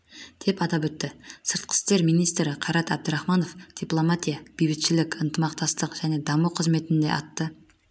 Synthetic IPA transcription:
d̪̥e̞pɑt̪ɑpɵt̪ːɪsəɾt̪̚qʰə̥st̪e̞ɾmijnijst̪ɾɪqʰɑɾɑt̪æb̚d̪əɾɑχmɑno̞fd̥̪iplˠo̞mat̪ʲijab̥ijbɪt̪ʃɪlɪkʲənt̪əmɑqt̪ɑst̪əqʒ̥æne̞d̪ɑməqʰəzme̞t̪ɪnd̪e̞̰ʔɑt̪ːə

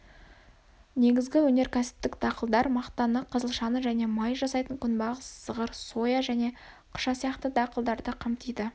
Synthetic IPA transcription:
ne̞ɡʲɪzɡʲɪwɵne̞ɾkʲʰæsɪ̥p̚t̪ɪkd̪̥ɑqəlˠd̪ɑɾmɑqt̪ɑnəqʰəzəlˠʃɑnəʒæne̞mɑjʒɑsɑjt̪əŋkʲʰʏnbɑʁəsːəʁəɾso̞jɑʒæne̞ | qʰʊ̥ʃɑsijɑqt̪əd̪ɑqəlˠd̪ɑɾd̪əqʰɑmt̪ijd̪ɪ

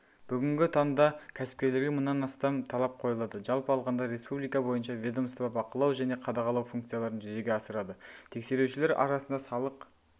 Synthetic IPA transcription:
b̥ʏɡʲɪŋɡʲɪt̪ʰɑnd̪ɑkʲʰæsɪ̥p̚kʲe̞ɾle̞ɾɡʲemʊnːɑnɑst̪ɑmt̪ʰɑlˠɑp̚qʰo̞jɑlˠɑd̪əʒɑlˠpəɑlˠʁɑnd̪ɑɾe̞spublˠijkɑbo̞jənʃɑvʲed̪omst̪bɑpɑqəlˠɑwʒæne̞qʰɑd̪ɑʁɑlˠɑwfuŋkt̪sɨjalˠɑɾənʒʏze̞ɡʲeɑsəɾɑd̪ət̪ʰe̞kse̞ɾewʃɪle̞ɾɑ̰ɾɑsənd̪ɑsɑlˠəq

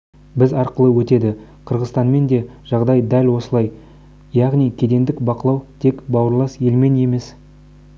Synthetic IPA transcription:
bɪzɑɾqəlˠəwɵt̪e̞d̪ɪqʰəɾʁəzt̪ɑnme̞nd̪e̞ʒ̥ɑʁd̪ɑjd̪ælʲwo̞səlˠɑj | jɑʁnijkʲʰed̪e̞nd̪ɪkbɑqəlˠɑwt̪ʰe̞kbɑwəɾlˠɑsje̞lme̞ne̞me̞s

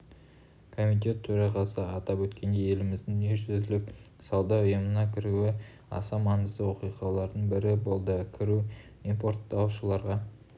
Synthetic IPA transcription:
kʰo̞mit̪̬ʲe̞t̪ʰːɵɾɑʁɑsəɑt̪ɑpwɵt̪kʲe̞nd̪e̞je̞lɪmɪzd̪ɪŋeʒʏzlɪksɑwd̪ɑʊjəmənɑkʲʰɪɾuɪ | ɑ̰sɑmɑɴəzd̪əwo̞qijqɑlˠɑɾd̪əɴbɪɾɪbo̞lˠd̪əkʲʰɪɾu | impo̞ɾt̪ːɑwʃəlˠɑɾʁɑ

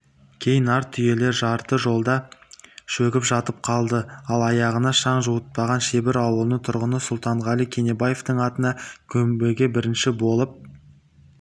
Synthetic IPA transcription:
kʲʰe̞jɪnɑɾt̪ʰːʏje̞le̞ɾʒɑɾt̪əʒo̞lˠd̪ɑ | ʃɵkʲɪpʒɑt̪əp̚qʰɑlˠd̪əɑlˠɑjɑʁənɑʃɑɴʒuwət̪̚pɑʁɑnʃebɪɾɑwəlˠnət̪ʰʊɾʁənəsʊlˠt̪ɑɴʁɑlˠijkʲʰene̞bajeft̪əɴɑt̪ənɑkʲʰɵmbe̞ɡʲebɪɾɪnʃɪbo̞lˠəp̚

